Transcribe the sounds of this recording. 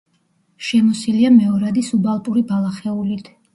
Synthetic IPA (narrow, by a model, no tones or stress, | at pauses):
ʃɛmɔsiliamɛɔɾad̪isubalˠpʼuɾibalˠaχɛulit̪ʰ